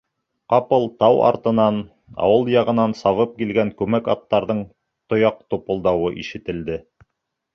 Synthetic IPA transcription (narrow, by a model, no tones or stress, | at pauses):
qɑpɤlˠt̪ɑwɑ̰ɾt̪ɤ̆nɑn | ɑ̰wɤlˠjɑʁɤ̆nɑnsɑβɤp̚kilɡæŋkʉmækɑ̰t̪ːɑɾðɤɴ | t̪ŏjɑq̚t̪upŏlˠd̪ɑwɤʔiʃɘ̆t̪ɘ̆ld̪ɘ